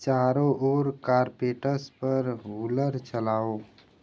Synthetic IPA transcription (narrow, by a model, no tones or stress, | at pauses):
t͡ʃaɾoʔoɾkaɾpeʈəspəɾɦuləɾt͡ʃəlaːo